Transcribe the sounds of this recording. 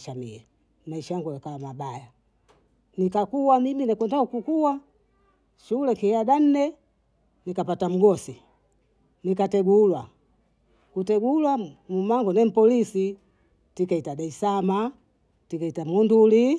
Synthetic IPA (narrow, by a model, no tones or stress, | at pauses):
ʃamḭɛ | maiʃajaŋɡuɡakalamabaja | nikakuwamiminakwɛndaukukuwa | ʃulɛkiaɗan̩nɛ | nikapatam̩ɡɔsi | nikatɛɡulwa | kutɛɡulwamumaŋɡɔnɛm̩pɔlisi | tikaitaɗaisama | tikaitamɔnduli